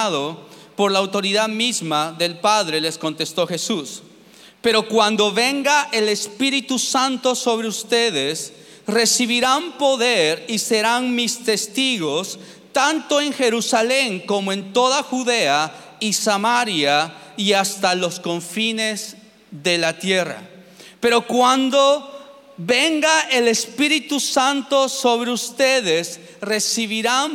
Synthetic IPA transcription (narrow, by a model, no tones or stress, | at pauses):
aðo | po̞ɾlaːwt̪o̞ɾiðaðmizmaðe̞lpaðɾe̞le̞sko̞nt̪e̞st̪o̞xe̞sus | pe̞ɾo̞kwand̪o̞βe̞ŋɡaʔe̞le̞spiɾit̪usant̪o̞so̞β̞ɾeust̪e̞ðes | re̞siβiɾampo̞ðeɾise̞ɾaŋmist̪e̞st̪iɣo̞s | t̪ant̪o̞e̞ŋxe̞ɾusale̞ŋko̞moe̞nt̪o̞ðaxuðea | isamaɾja | iast̪alo̞sko̞ɱfine̞z | ðe̞lat̪je̞ra̰ | pe̞ɾo̞kwand̪o | βe̞ŋɡaele̞spiɾit̪usant̪o̞so̞βɾeust̪eðes | re̞siβiɾan